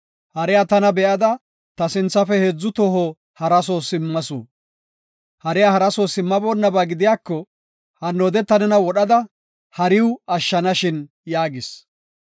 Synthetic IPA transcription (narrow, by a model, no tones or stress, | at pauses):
hɐɾɛjat̪ɐnɐbɛʔɐd̪ɐ | t̪ɐsɪnt͡sːɐfɛhɛd͡zːʊt̪ɔɦo | hɐɾɐsoːsɪmːɐso̰ː | hɐɾɛjahɐɾɐsoːsɪmːɐboːnːɐbaːɡɪd̪ɪjaːkːɔ | hɐnːoːd̪ɛt̪ːɐnɛnɐwɔɗɐd̪ɐ | hɐɾɪwɐʃːɐnɐʃɪn | jaːɡɪs